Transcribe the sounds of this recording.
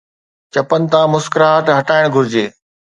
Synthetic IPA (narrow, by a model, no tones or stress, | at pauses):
t͡ɕɐpənɪ̆t̪ãːmʊskɾaɦɐʈɦɐʈaːɪɽ̃ɡʱʊɾɪd͡ʑeː